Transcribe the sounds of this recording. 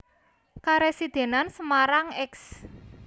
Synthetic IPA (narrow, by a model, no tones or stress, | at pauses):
kaɾesid̪̥e̤nansəmaɾaŋɛks